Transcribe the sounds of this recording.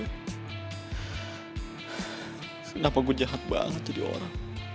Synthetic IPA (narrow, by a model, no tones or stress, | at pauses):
ənapaɡud͡ʒaɦat̪̚ba̰ŋət̪ːudio̰ɾaŋ